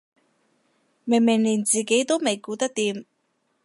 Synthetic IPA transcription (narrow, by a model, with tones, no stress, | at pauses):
me˨˩ŋmɪ˨˩ŋliː˨˩nt͡siː˨˩ke˨˥jt̪o˥wme˨˩jkuː˨˥t̪ɐ˥k̚t̪iː˨˥m